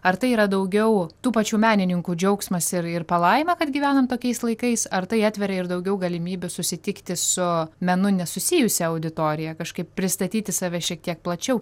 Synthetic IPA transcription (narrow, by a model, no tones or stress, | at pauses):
ɐɾt̪ɐɪiːɾɐd̪ɐʊɡʲɛʊt̪uːpɑt͡ʃʲuːmʲæːnʲɪnʲɪŋkuːd͡ʒʲɛʊksmɐsɪɾɪrpɐlˠɐɪmɐkɐt̪ɡʲiːʋʲæːnɐmt̪oːkʲɛɪslˠɐɪkɐɪsɐɾt̪ɐɪɑːt̪ʲʋʲɛɾɐɪɾd̪ɐʊɡʲɛʊɡɐlʲɪmʲiːbʲʊsʊsʲɪt̪ʲɪkt̪ʲɪsʊmʲɛnʊnʲɛsʊsʲijʊsʲɛɐʊd̪ʲɪt̪oːɾʲɪjɛkɐʃkɐɪppʲɾʲɪst̪ɐt̪ʲiːt̪ʲɪsɑːʋʲɛʃʲiɛk̚t̪ʲiɛk̚plˠɐt͡ʃʲɛʊ